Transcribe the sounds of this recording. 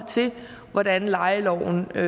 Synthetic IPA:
t͡sʰe̝ | ʋɒd̥ænlɑ̈ɪəlɒʊ̰n̩

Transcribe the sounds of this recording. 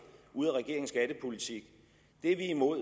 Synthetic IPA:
ʔuð̰ˠæʁɛɡ̥e̝ɐ̰eŋsɡ̥æɾ̥əpʰo̝lit͡sʰiɡ̥ | d̥e̝ʋiːmo̝ð̰ˠ

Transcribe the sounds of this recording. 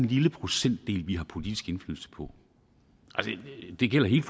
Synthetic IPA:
nliləpʰʁo̝sen̰d̥e̝̰ːlʋiɦɑ̈pʰo̝lid̥isɡ̥e̝nfly̰ːl̩sə̥pʰɒ̽ | ʔælsəd̥e̝ɡ̥el̰ɐɦe̝̰ːld̥f

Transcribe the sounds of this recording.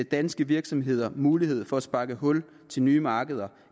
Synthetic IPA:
ed̥ænsɡ̥əʋiɐɡ̥sɒ̽mɦe̝ð̞̰ˠɐmuːlihe̝ð̞̰ˠfɒ̽æsb̥ɑ̈ɡ̥əɦɔ̽l | t͡sʰe̝lnyːmɑ̈ːɡ̥əð̞ˠɐ

